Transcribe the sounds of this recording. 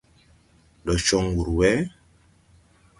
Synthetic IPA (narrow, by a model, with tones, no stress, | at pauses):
lɔ˨ʃɔ˦ŋwu˨ɾu˨wɛ˦